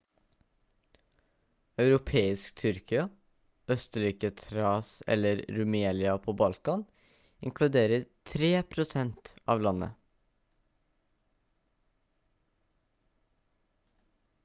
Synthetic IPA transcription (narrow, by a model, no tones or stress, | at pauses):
ɑʉɾʊpʰeːɪskt̪ʰʏɾkɪɑ | œst̪əɾiːkət̪ʰɾɑːsɛ̰ləɾɾʉmeːlɪɑpʰoːbɑlkɑn | ɪ̰ŋkʰlʉd̪eːɾəɾt̪ʰɾeːpʰɾʊsɛnt̪ɑ̰ːʋlɑnə̰